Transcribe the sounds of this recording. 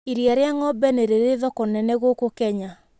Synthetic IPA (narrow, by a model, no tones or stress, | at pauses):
iɾiaɾeaŋɔbɛneɾeɾeðɔkonɛnɛɣokokɛɲa